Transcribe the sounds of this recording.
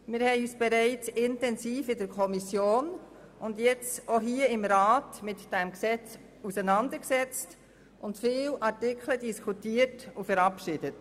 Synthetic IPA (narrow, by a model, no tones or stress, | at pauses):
mɪɾhɛɪyːsb̥ɛɾæɪt͡sɪntɛnsiːfɪdəɾkʰɔmisjoːn | ʊndjɛt͡soɦiːəɪmɾɑːtmɪtd̥ɛmksɛt͡s | usənɑnd̪əɾksɛt͡st | ʔʊntfɪːlʔɑɾtɪkʰlədiskʰutiːəɾtufɛɾɑpʃɪd̥ət